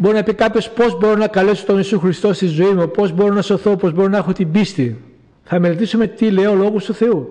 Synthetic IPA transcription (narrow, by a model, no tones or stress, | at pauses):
bo̞ɾinɐpikɐpço̞spo̞zbo̞ɾonɐkɐle̞sot̪o̞nisuxɾist̪o̞st̪izo̞imupo̞zbo̞ɾonɐso̞θopo̞zbo̞ɾonɐexot̪ibist̪i | θɐme̞let̪isume̞t̪ile̞olo̞ɣost̪uθe̞u